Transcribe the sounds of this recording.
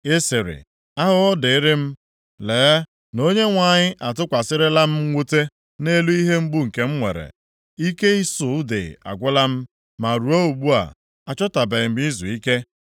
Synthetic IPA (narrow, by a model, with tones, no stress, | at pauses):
e˦sɪ˨ɾɪ̰˨ | a˦ɦʊ˦ʊ˦dɪ˨ɪ˦ɾɪ˦m̩˦ | leː˨˦ | no˦ɲe˦ŋʷa˨ɲɪ˦ʔa˨t̬ʊ˦kʷa˨sɪ˦ɾɪ˦la˦m̩˦ŋʷu˦te˦ | ne˦lu˦i˦ɦe˦m̩˦ɡ͡bʊ˦ŋ̩˨ke˦m̩˦ŋʷḛ˨ɾḛ˨ | i˦ke˦i˦sʊ˨˦dḛ˨a̰˨ɡʷʊ˦la˦m̩˦ | ma˨ɾu˨o˦u˨ɡ͡bu˦a̰˨ | a˨t͡ʃɔ˦ta˨be˨ɪ˨m̩˨mi˦zṵ˨i˦ke˦